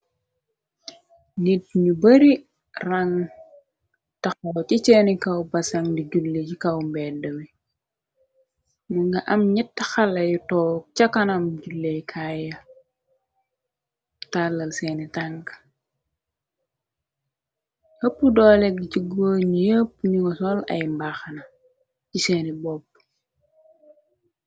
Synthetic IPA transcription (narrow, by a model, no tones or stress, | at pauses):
nit̚ɲubɐɾi | rɐŋ | tɐxɐwt͡ʃit͡ʃɛnikɐwbɐsɐŋdiɟulːeɟikɐwmbɛdɐmi | nuŋɡɐʔɐmɲitːɐxɐlɐjutɔːk̚t͡ʃɐkɐnɐmɟulːejkʰajɐ | talːɐlsɛːnitaŋɡ | həpːudɔːlɛɡiciɡoːɲijəpːɲuŋɔsɔlɐ̰jmbaxnɐ | ciseːnibɔb̚